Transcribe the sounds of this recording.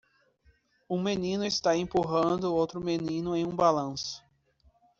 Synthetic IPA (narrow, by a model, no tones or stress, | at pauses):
ũmenĩnʊɪst̪aẽpuɦɐ̃nd̪ʊowt̪ɾʊmenĩnʊẽj̃ũbalɐ̃sʊ̥